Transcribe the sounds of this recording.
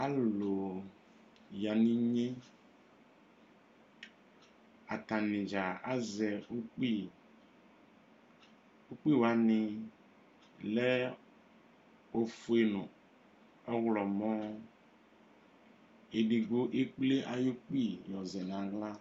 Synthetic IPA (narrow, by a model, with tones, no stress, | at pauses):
a˦lo˨ | ja˨nĩ˦ɲe˦ | a˨ta˨nɪ̃˨d͡ʒa˨a˨˦zɛ˨o˦k͡pi˦ | o˦k͡pi˦˨wa˨nɪ˨ | lɛ˦ | o˨fu˨e˨nʊ̃˨ | ɔ˦ɣlɔ˨mɔ˦ | e˨ɖi˨ɡo˦ʔe˦k͡ple˦ʔa˨jo˦k͡pi˦˨jɔ˨zɛ˨n˨ã˨ɣla˦